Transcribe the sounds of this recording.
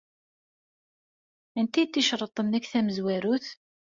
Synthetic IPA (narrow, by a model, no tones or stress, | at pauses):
ənt̪it̪ːiʃɾˤət̪ˤənːækθæməzwæɾuθ